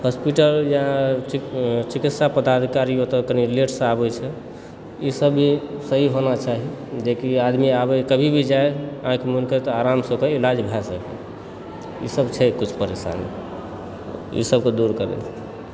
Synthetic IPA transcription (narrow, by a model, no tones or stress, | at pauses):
hɔspiʈəljaã | t͡ʃikit̪sapəd̪ad̪ʱikaɾiot̪ɔkənileʈsə̃abɛt͡ʃʰɛ | isəbʱisəɦiɦonat͡ʃaɦid͡ʒekiad̪miabɛkəbʱibʱid͡ʒaeãkemunket̪ɔaɾamsəkeilad͡ʒbʱasəkɛ̰ | ḭsəbt͡ʃʰɛkut͡ʃʰpəɾesa̰nḛ | ḭsəb̚ked̪uɾkəɾɛ̰t͡ʃʰɛ